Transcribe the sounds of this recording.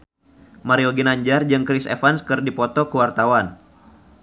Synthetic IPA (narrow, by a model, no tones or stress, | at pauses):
maɾiɔɡinaɲd͡ʒard͡ʒɨŋkɾisḛfanskɨrdipɔt̪ɔkuwart̪awan